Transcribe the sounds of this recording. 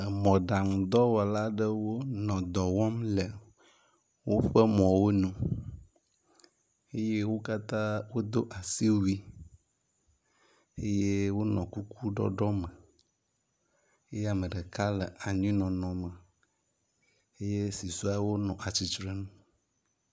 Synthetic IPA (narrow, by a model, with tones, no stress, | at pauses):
mɔ̃˨ɖa˨ŋ˨d̪ɔ˦wɔ˨la˦ɖə˦wo˦nɔ̃˨d̪ɔ˨wɔ˦mle˨ | wo˦ɸə˦mɔ̃˨wo˦nũ˦ | e˦je˦wo˦ka˦t̪ã˦wo˦d̪o˦ʔa˨si˦wu˦i˦ | e˦je˦wo˦nɔ̃˨ku˦kʰu˦ɖɔ̰˦ɖɔ˦mə̃˨ | e˦je˦a˨mə̃˨ɖə˨ka˦lə˨ʔa˨ɲĩ˦nɔ̃˨nɔ̃˨mə˨ | e˦je˦si˨su˦a˦wo˦nɔ̃˨ʔa˨t͡ɕi˨t͡ʃɾe˦nũ˦